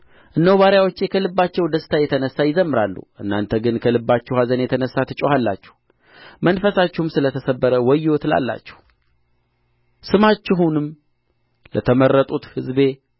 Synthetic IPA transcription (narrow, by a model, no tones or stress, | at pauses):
ʔɨnːəwβaɾjawot͡ʃːe̞kʰəlɨbːat͡ʃːɛwd̪əst̪ʰajɛt̪ʰənəsːajɪzəmːɨɾalːṵʔɨnːa̰nt̪ʰəɡɨnkʰəlɨbːat͡ʃːɛhazənjɛt̪ʰənəsːat̪ʰɨt͡ʃʼohalːa̰t͡ʃːɛ̥h | mənfəsat͡ʃːɪhumsɨlət̪ʰəsəbːəɾəwɔjːot̪la̰lːa̰t͡ʃːɛ̥h | sɨmat͡ʃːɪɦunɨm | lət̪ʰəməɾːət̪ʼut̪hɨzbe̞